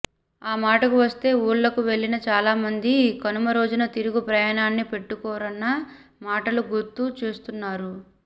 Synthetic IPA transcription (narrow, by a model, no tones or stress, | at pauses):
aːmaːʈɐkuʋɐst̪e̞ːuːɭlɐkuʋe̞ɭːinɐt͡ʃaːlaːmɐnd̪ikɐnumɐɾo̞ːd͡ʒunɐt̪iɾuɡupɾɐjaːnaːnːipe̞ʈːukɔːɾɐnːɐ | maːʈɐluɡuɾt̪ːuːt͡ʃuːst̪unːaːɾu